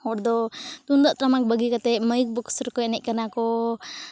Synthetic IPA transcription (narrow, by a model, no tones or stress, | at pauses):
hɔɾd̪ɔt̪und̪aʔt̪ɾamak̚bəɡikat̪ɛʔməjk̚bɔksəɾkɔɛnɛʔ̚kanakɔ